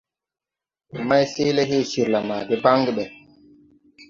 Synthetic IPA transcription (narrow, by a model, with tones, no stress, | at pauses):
ma˦jse˦le˦ɦe˦˨si˨ɾla˨maː˨de˦ba˦ŋɡi˦ɓɛ˨